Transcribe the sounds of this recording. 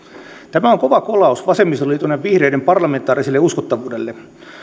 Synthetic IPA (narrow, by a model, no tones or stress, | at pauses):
t̪æmæoŋkoʋɑkolɑusʋɑsemːist̪olit̪uonːeʋʋihreidempɑrlɑment̪ːˑɑːriselːeuskot̪ːɑʋuːdelːe